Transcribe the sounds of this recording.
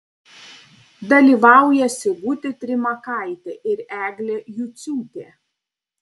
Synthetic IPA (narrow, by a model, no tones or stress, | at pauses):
d̪ɐlʲiːˑʋɑˑʊjɛsʲɪɡʊt̪ʲɪt̪ʲɾʲɪmɐkɐˑɪt̪ʲɛʔɪɾæːɡlʲeːjʊt̪sʲuːt̪ʲeː